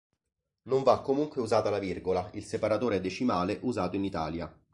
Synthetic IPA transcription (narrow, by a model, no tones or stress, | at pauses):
noɱvakːomuŋkweuzaːt̪alavirɡolailsepaɾat̪oːɾed̪et͡ʃimaːleʔuzaːt̪oinit̪a̰ːlja̰